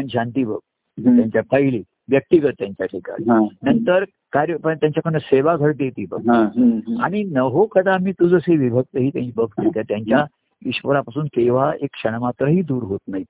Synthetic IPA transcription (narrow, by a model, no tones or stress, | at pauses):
əñiɕant̪iːbə̰ɡ̚ | ɦ̪jaɲt͡ɕjapʰəɦiliː | ʋjək̚t̪iɡət̪ːjaɲt͡ɕjaʈʰika̰ɾiãnənt̪əɾ | kaɾjəpət̪jãɲt͡ɕjakʰəɳəseʋaɡʱəɽd̪jet̪iːbə̰ɡ̚ɦãa̰ɽ̃inəɦokəd̪amiːt̪ud͡zəseʋibʱəɡ̚t̪əɦiːt̪jãɲibəɡ̚ʰt̪et̪jat̪jaɲt͡ɕja | iɕpəɾapasuːnkeʋaekːʂəɳ̃mat̪ɾəɦiːd̪uːɾɦot̪naɦi